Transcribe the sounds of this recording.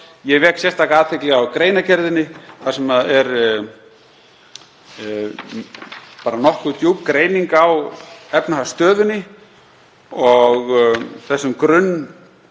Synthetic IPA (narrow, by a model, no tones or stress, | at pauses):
jɛɣvɛksjɛst̪akaːðt̪ʰɪklɛɣawkɾeːjnacɛɾðɪnːɪθaðsɛmaðɛɾ | paːɾanɔhkʏt̪juːpkɾeːjniŋkawɛpnahast̪œːðʏnːɪ | ɔɣθɛsːʏmkɾʏnː